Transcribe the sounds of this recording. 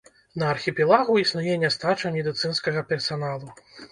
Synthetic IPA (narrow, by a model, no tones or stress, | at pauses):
nɐːrxʲipʲɛlˠaɣuisnujɛnʲɛst̪at͡ʂɐmʲɛd̪ɨt̪sɨnskɐɣɐpʲɛrsanalˠu